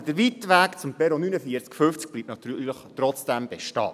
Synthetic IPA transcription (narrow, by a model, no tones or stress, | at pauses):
d̥əɾʋit̪ʋæːkt͡sʊmpɛɾonynəfiəɾt͡skfʏft͡sk̚b̥liːp̚tnɑt̪yːləχtɾɔt͡sd̥ɛmb̥eʃtɑ̰ː